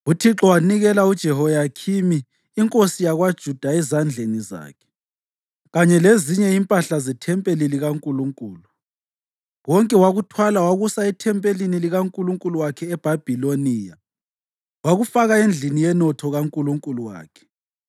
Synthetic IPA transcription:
utʰiǁɔwaniɣɛlaud̥ʒ̥ʱɛhɔjakʰimiː | ŋkʼosijaɣwad̥ʒ̥ʱud̥ʱaɛzand͡ɮʱeniza̰ːkʰɛ̥ | ɣaɲɛleziɲɛimpʼaɬazɛtʰɛmpʼeliliɣaŋkʼuluŋkʼuːlu | wɔŋkʼɛwaɣutʰwalawaɣusaitʰɛmpʼeliniliɣaŋkʼuluŋkʼuluwakʰɛːb̥ʱab̥ʱiloniːja | waɣufaɣaend͡ɮʱinijɛnɔtʰɔɣaŋkʼuluŋkʼuluwa̰ːkʰɛ̥

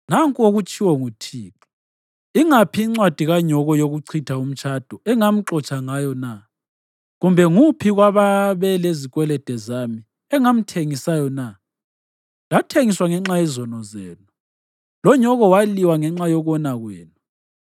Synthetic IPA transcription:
naŋkʼoɣut͡ʃʰʼiwɔŋutʰiːǁɔ̥ | iŋapʰiːŋ͡ǀwad̥ʱiɣaɲɔɣɔjoɣuǀʰitʰaum̩t͡ʃʼad̥ʱɔɛŋam̩ǁɔt͡ʃʼaŋajɔna | ɣumbʱɛŋupʰiɣwaβaβɛleziɣʼwɛlɛd̥ʱɛzami | ɛŋam̩tʰeŋisajɔna | latʰeŋiswaŋɛŋ͡ǁajɛzɔnɔzeːnu | lɔɲɔɣɔwaliwaŋɛŋ͡ǁajɔɣɔnaɣweːnu

